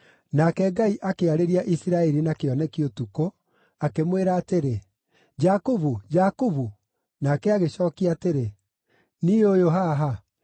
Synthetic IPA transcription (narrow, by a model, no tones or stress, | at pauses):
nakɛɡaiʔakeaɾeɾiaʔisiɾaɛɾinakeɔnɛkiotuko | akemweɾaːteɾe | d͡ʒakuβud͡ʒakuvu | nakɛaɣeɕɔːkiateɾe | niojoɦaɦa